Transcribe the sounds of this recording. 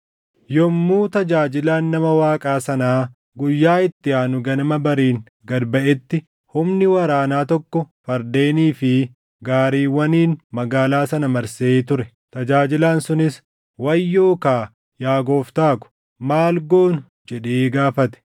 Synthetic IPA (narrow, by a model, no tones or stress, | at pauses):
jɔmːuːt̪ɐd͡ʒaːd͡ʒɪlaːnːɐmɐwaːkʼaːsɐnaː | ɡʊjːaːɪt̪ːɪaːnʊɡɐnɐmɐbɐɾiːŋ | ɡɐd̪bɐʔɛt̪ːɪ | hʊmnɪwɐɾaːnaːt̪ɔkːɔfɐɾd̪e̞ːniːfɪ | ɡaːɾiːwːɐniːnmɐɡaːlaːsɐnɐmɐɾseːt̪ʊɾɛ | t̪ɐd͡ʒaːd͡ʒɪlaːnsʊnɪs | wɐjːoːkaː | jaːɡo̞ːft̪aːkʊ̥ | maːlɡo̞ːn | d͡ʒɛᶑeːɡaːfɐt̪ɛ̥